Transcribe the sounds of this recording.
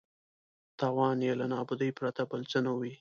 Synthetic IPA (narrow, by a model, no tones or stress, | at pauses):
t̪ɑwɑnjelanɑbʊd̪əjpɾat̪abalt͡sənawi